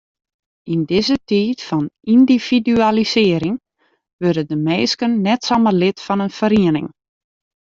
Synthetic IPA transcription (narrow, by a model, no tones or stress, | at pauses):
indɪzətiːtfɔnindiv̥idyalisɪəɾɪŋ | ʋørdədəmeːskənːɛtsɔmərlɪtfɔnənfəɾiənɪ̰ŋ